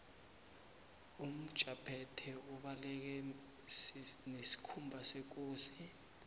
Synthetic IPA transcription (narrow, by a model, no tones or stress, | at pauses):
um̩d̥ʒ̥ʱʼapʰɛtʰɛuɓalɛk̬ɛ | nesi̥kʰumbʱasek̬oːsi